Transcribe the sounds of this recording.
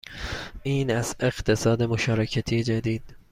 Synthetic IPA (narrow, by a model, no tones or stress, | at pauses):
iːnæze̞ɡt̪ʰe̞sɒːd̪emoʃɒːɾecʰæt̪ʰiːjed͡ʒæd̪iːd̪̥